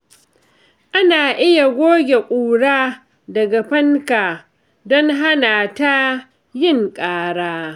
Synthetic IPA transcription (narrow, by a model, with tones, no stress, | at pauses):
ʔa˦naː˨ʔɪ˦ja˨ɡʷoː˦ɡʲe˨kʷʼuː˨ɽaː˦ | dɐ˨ɡa˨ɸɐ˦ŋka˨ | dɔ˦ŋɦa˦naː˨ta˦ | jɪ˦˨ŋkʼaː˦ɽaː˦